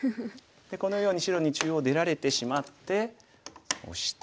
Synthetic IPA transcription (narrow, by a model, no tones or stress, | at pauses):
d̪e̞ko̞no̞jo̞ːɲ̟iɕiɾo̞ɲ̟it͡ɕɨːo̞d̪e̞ɾaɾe̞t̪e̞ɕimat̪ːe̞ | o̰ɕi̥t̪